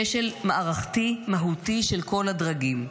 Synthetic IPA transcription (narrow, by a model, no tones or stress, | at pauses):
eʃelmaʔaʁaχt̪imaɦutiʃe̞lko̞ladʁaɡim